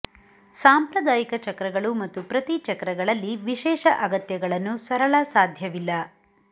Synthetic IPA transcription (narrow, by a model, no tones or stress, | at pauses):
saːmpɾɐd̪aːjikɐt͡ʃɐkɾɐɡɐɭumɐt̪ːupɾɐt̪it͡ʃɐkɾɐɡɐɭɐlːiʋiʃɛːʃɐʔɐɡɐt̪jɐɡɐɭɐnːusɐɾɐɭɐsaːd̪ʱjɐʋilːɐ